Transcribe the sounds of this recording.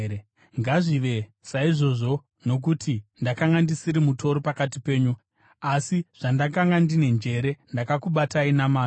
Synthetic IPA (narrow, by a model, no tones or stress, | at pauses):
ŋɡaʐiʋe̞ | saiʐo̞ʐo̞ | no̞k̬utʰindakaŋɡandisiɾimutʰo̞ɾopakatipe̞ːɲu | asiʐ̥andakaŋɡandine̞nd͡ʒe̞ɾe̞ndakakuɓatainamaː